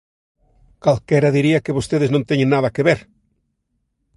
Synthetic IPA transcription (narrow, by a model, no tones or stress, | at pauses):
kalkɛɾaðiɾiakeβost̪eðeznõnt̪eɲẽŋnaðakeβeɾ